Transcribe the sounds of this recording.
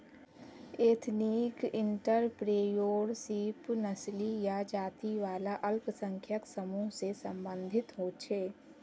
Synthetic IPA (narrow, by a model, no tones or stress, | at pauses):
eːt̪ʰniːkɪ̃ɳʈəɾpɾeːjoːɾsiːpnəslijad͡ʒaːt̪iʋaːlaʔəlpsə̃ŋkʰjəksəmuːɦsesə̃mbə̃nd̪ʱɪt̪ɦoːt͡ʃʰeː